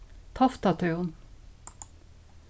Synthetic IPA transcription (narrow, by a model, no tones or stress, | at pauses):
t̪ʰɑft̪ɑt̪ʰœːʊn